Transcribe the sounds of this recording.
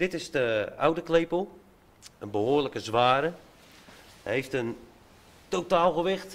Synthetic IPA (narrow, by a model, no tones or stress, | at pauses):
d̥ɪtɪsdəa̰wdəklejpəlˠ | ənbəɦoːrləkəzʋaːɾə | ɦejftən | towtaːlˠɣəʋɪxt